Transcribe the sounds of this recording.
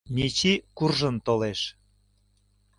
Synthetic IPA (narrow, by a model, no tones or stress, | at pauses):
mit͡ɕikurʒənt̪oleʃ